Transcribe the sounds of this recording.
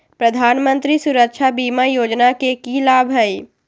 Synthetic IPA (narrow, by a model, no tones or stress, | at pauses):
pɾəd̪ʱaːnmə̃nt̪ɾisuɾəkʃʰabiːmajoːd͡ʒnakekilaːbʱɦəi